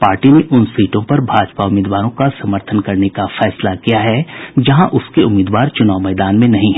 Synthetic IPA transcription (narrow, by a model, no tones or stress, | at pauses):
paːɾʈineʔʊnsiːʈõpɐɾbʱaːd͡ʒpaʊmɪːd̪ʋaːɾõkasɐməɾt̪ʰənkɐɾnekafɛːslakijaɦɛd͡ʒɐɦãʔʊskeʊmiːd̪ʋaːɾt͡ʃʊnaːʋmɛːd̪aːnmẽnɐɦĩɦɛ